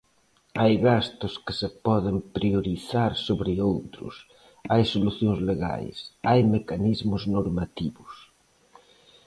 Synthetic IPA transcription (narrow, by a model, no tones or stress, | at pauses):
ajɣast̪ʊskɪ̥sepɔðɪmpɾioɾiθaɾsoβɾɪowt̪ɾʊ̰s | ajsoluθjoŋzleɣa̰jsajmekanizmʊznoɾmat̪iβʊs